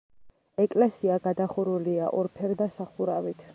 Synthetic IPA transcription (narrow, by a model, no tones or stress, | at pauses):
ɛkʼlɛsiaɡad̪aχuɾuliaʔɔɾpʰɛɾd̪asaχuɾavit̪ʰ